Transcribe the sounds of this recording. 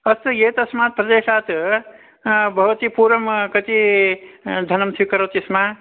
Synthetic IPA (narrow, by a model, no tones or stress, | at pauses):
əst̪jet̪əsmat̪̚pɾəd̪esat̪ʰ | bəʋt̪ipuɾəmkət̪i | d͡ʒ̪ʱənəmt̪ʰikəɾɐt̪isma